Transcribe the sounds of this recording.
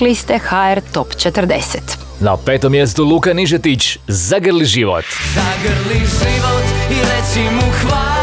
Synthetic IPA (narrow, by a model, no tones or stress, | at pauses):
list̪exaeɾt̪opt͡ʃet̪əɾd̪eset̪ | na̰peːt̪omjest̪ulˠuːkaniʒet̪it͡ɕzaɡərliʒiʋo̰t̪zaɡɾliʒiʋot̪iɾet͡ʃimuxʋaː